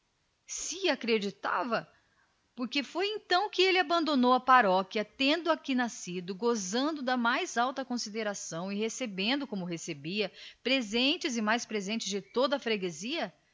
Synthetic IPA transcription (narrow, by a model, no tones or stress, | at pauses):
sɪakɾed͡ʒit̪a̰vɐ | poɾkefojẽt̪ɐ̃w̃kɪelɪabɐ̃nd̪õnowɐpaɾɔkjɐt̪ẽnd̪ʊakinasid̪ʊɡozɐ̃nd̪ʊd̪ɐmajzawt̪ɐkõsid̪eɾasɐ̃w̃ɪhesebẽnd̪ʊkõmʊɦesebiɐpɾezẽnt͡ʃɪzɪmajspɾezẽnt͡ʃɪzd͡ʒɪt̪od̪ɐfɾeɡeziɐ